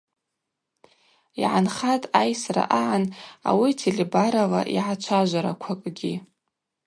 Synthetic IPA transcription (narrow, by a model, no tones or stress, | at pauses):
ḭʕanχatʼajsra̰ʔaʕana̰witʰelebaɾavaʔiʕat͡ʃʷʰaʒʷaɾakʷʰakʼɡʲi